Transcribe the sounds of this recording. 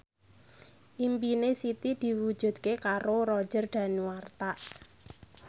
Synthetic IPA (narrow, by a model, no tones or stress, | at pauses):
ʔimpinesit̪id̪̥i̤wud̥d͡ʒ̥ṳd̪̥kekaɾoɾɔ̥d͡ʒərɖ̪̥ä̤niwart̪aʔ